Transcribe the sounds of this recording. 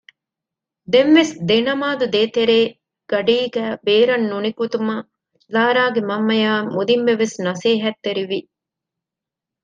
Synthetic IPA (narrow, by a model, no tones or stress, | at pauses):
d̪emʋesd̪enɐmaːd̪ud̪eːt̪eɾeː | ɡ̥ɐɖiːɡæːbeːɾɐnːunikut̪umɐ | laːɾaːɡemɐmːɐjaːmud̪imʋeʋesnɐseːɦɐt̪ːeɾiʋi